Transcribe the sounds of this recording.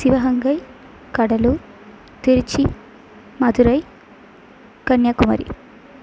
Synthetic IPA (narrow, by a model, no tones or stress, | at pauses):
siʋɐɦɐŋɡɐj | kɐɽɐlu | t̪iɾit͡ʃi | mɐd̪uɾɐj | kɐnjɐkumɐ̰ɾḭ